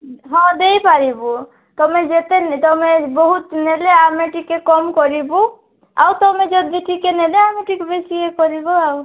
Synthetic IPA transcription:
ɦɔ̃d̪eipaɾibu | t̪ɔmed͡ʒet̪ent̪ɔmebɔɦut̪neleameʈikːekɔmkɔɾibu | a̰ut̪ɔmed͡ʒɔd̪iʈikeneleameʈikebesiekɔɾibuau

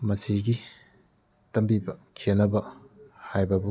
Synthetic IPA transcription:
mɐsiɡi | tɐmbibɐkʰenɐbɐhajbɐbu

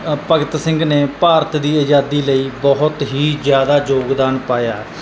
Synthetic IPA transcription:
pəɡɪt̪sɪ̃ŋɡneːpaːɾət̪d̪iːəd͡ʒaːd̪iːləiːbɔɦʊt̪ɦiːzjaːd̪aːd͡ʒoːɡd̪aːnpaːjaː

